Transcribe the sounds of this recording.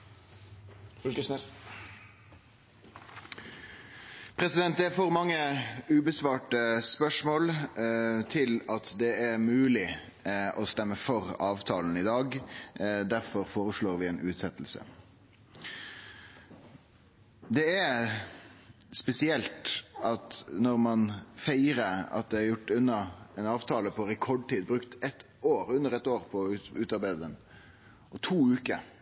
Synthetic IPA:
fkəsnɛ | pʰɾɛsɪd̪ɛnt̪̚d̪ɛæɾfɔːʁmɑŋːəʉːbəsʋɑːʈəspœʂmoːl | t̪ʰɪlɑt̪d̪ɛæɾmʉːlɪ | ʔɔst̪ɛmːəfɔɾɑːʋt̪ʰɑːln̩ɪd̪ɑːɡ | d̪æʁfɔɾfoːɾəsloːʁʋɪeːnʉːt̪sɛt̪l̩sə̰ | d̪ɛæ | spɛsɪɛlt̪ʔɑt̪nɔɾmɑnfæɪɾəɑ̰t̪̚d̪ɛæɾjʊʈːʉnːɑɛnɑːʋt̪ʰɑːləpʰɔɾɛkʰɔɖ̚ʈ̪iːd̪̚bɾʉkt̪ɛt̪ | oːɾʉnːəɾɛt̪ːoːɾpʰɔʉːt̪ɑɾbæɪd̪əd̪ɛn | ɔt̪ʰuːʉːkə

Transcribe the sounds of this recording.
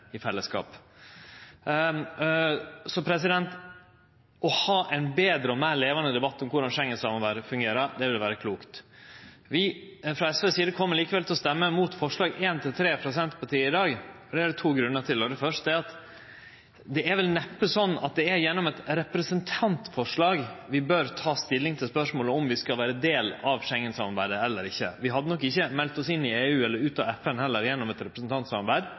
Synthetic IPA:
ɪfɛlːəskɑ̰ːp | sɔpʰɾɛsɪd̪ɛnt̪ | ʔɔhɑːʔɛɪnbeːd̪ɾəɔmæːɭeːʋɑnəd̪ɛbɑt̪ːɔmkʰʊɖɑnʂɛŋːəsɑmɔʋæːɾəfʉŋɡeːɾɑd̪ɛʋɪlʋæːɾəkʰluːkt̪ | ʋɪfɾɑɛsʋɛsiːd̪əkʰɔmːəɾɭiːkəʋɛlt̪ʰɛlɔst̪ɛmːəmuːt̪fɔʂɭɑːɡeːnt̪ʰɪlt̪ʰɾeːpʰɾʊs̬ɛnt̪pʰɑt̪ʰiːəɪd̪ɑːɡɔd̪ɛæɖt̪ʰuːɡɾʉnːəʈʰɪlɔd̪ɛfœʂt̪əd̪ɛæɑt̪ | d̪ɛæɾʋɛlnɛpːəsɔnːɑ̰t̪̚d̪ɛɛɾjɛnːɔmɛt̪ɾɛpɾəsənt̪ʰɑnt̪fɔʂɭɑːɡʋɪbøɾt̪ʰɑːst̪ɪlːɪŋt̪ʰɪlspœʂmoːləɔmʋɪskɑlʋæːɾəd̪eːlɑʋʃɛŋːənsɑmɑɾbæ̰ɪd̪əɛlːəɾɪçːə̰ʋɪɦɑd̪ːənɔkːɪçːəmɛlt̪ɔsɪnːɪeːʉːɛlːəɾʉːt̪ɑʋɛfənhɛlːəɾjɛnːɔmɛt̪ɾɛpɾəsnt̪ʰɑnt̪sɑmɑɾbæɪd̪

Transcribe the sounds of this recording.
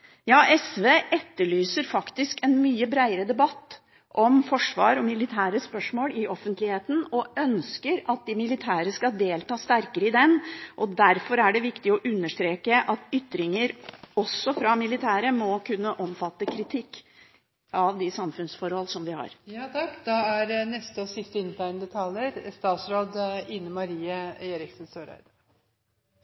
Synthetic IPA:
jɑːʔɛsʋeːʔɛt̪ːəɭyːsəɾfɑkt̪ɪskɛnmyːəbɾæɪəɾəd̪ɛbɑt̪ː | ʔɔmfɔʂʋɑ̰ːɾɔmɪlɪt̪ʰæːɾəspœʂmoːlɪɔfənt̪lɪheːt̪n̩ɔœnskəɾɑt̪̚d̪ɪmɪlɪt̪ʰæːɾəskɑd̪eːlt̪ʰɑːst̪æɾkəɾəɪd̪ɛnʔɔd̪æɾfɔɾæɖɛʋɪkt̪ɪɔʔʉnːəʂt̪ɾeːkəʔɑt̪ʏt̪ːɾɪŋəɾɔsːɔfɾɑmɪlɪt̪ʰæːɾəmɔkʰʉnːəʔɔmfɑt̪ːəkʰɾɪt̪ʰɪkː | ɑʋd̪ɪsɑmfʉnsfɔɾhɔlːsɔmʋɪhɑ̰ɾjɑt̪ʰɑkːd̪ɑæɾnɛst̪əɔsɪst̪əɪnːt̪ʰæɪnd̪ət̪ʰɑləɾst̪ɑːt̪sɾoːd̪ɪnːəmɑɾiːəeːɾɪksn̩søːɾæ̰ɪd̪

